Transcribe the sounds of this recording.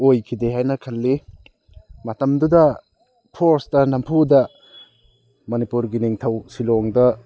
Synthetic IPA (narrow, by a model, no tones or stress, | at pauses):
ojkʰideɦajnɐkʰɐlːi | mɐtɐmdudɐ | pʰoɾsdɐnɐmpʰudɐ | mɐnipuɾɡiniŋtʰɐwsilɔŋdɐ